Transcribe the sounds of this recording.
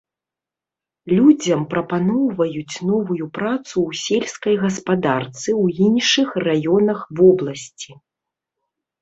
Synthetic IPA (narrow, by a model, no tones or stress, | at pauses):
lʲud͡zʲɐmpɾɐpanɔwvɐjut͡sʲnɔvujupɾat̪suwsʲelʲskɐjɣɐspad̪art̪sɨwinʂɨxrajɔnɐxvɔblˠɐsʲt͡sʲi